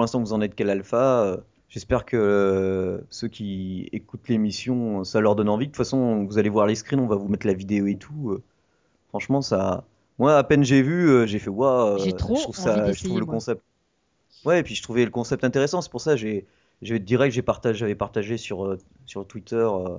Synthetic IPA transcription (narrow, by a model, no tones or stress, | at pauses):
puʁlɛ̃st̪ɑ̃vuzɑ̃nɛt̪̚kalalfaø | ʒ̥ɛspɛʁkʰə | søkʲiekut̪lemisjɔ̃øsalœʁd̪ɔnɑ̃vid̪ət̪ufasɔ̃vuzalevwaʁleskχinɔ̃vavumɛt̪lavid̪eoet̪ʰuø | fχɑ̃ʃmɑ̃sa̰ | mwaːpɛnʒevyøʒefɛwaøʒətχuvsaʒət̪ʁuvləkɔ̃sɛp̚t̪ | wɛːpɥiʒət̪χuveləkɔ̃sɛp̚t̪ɛ̃t̪eʁesɑ̃sɛ̥puʁsaʒe | ʒevɛd̪əd̪iʁɛʒepaʁt̪aʒavɛpaʁt̪aʒesyʁø | syʁt̪wit̪œʁø